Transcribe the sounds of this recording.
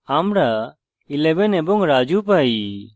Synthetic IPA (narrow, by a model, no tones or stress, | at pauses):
aːmɾaː | ɪlɛbɛnɛboŋɡɾaːd͡ʒuːp̬aːi